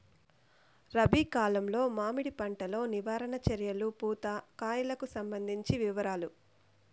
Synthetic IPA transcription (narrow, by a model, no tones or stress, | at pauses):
ɾɐbʱiːkaːlɐmlo̞ːmaːmiɽipɐɳʈɐlo̞ːniʋaːɾɐɳɐt͡ʃɐɾjɐlupuːt̪ɐkaːjɐlɐkusɐmbɐnd̪ʱiɲt͡ʃiʋiʋɐɾaːlu